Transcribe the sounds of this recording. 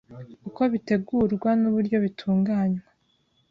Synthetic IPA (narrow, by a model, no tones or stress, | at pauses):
uko̞βite̞ɡuːɾɡwanuβuɾɟo̞βitʰuːŋɡaːɲwa